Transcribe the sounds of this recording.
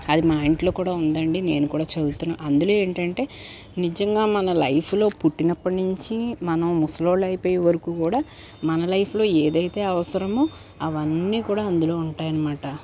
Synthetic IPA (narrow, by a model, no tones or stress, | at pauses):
ɐd̪imaːjɳʈlo̞ːkuːɽaːund̪ɐɳɖine̞ːnukuːɽaːt͡ʃɐd̪ut̪unːaːɐnd̪ulo̞ːe̞ːɳʈɐɳʈe̞ː | nid͡ʒɐŋɡaːmɐnɐlɐjpʰulo̞ːpuʈːinɐpːɐʈnuɲt͡ʃimɐnɐmmusɐlo̞ːɽlɐjipoːjɛʋɐɾɐkuːkuːɽaː | mɐnɐlɐjpʰlo̞ːeːd̪ɐjt̪e̞ːɐʋɐsɐɾɐmu | ɐʋɐnːiːkuːɽaːɐnd̪ulo̞ːuɳʈaːjɐnɐmaːʈɐ